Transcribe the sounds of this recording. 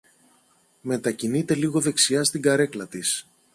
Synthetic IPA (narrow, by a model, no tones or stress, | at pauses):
me̞t̪ɐcinit̪e̞liɣo̞ðe̞ksiɐst̪iɡɐɾe̞klɐt̪is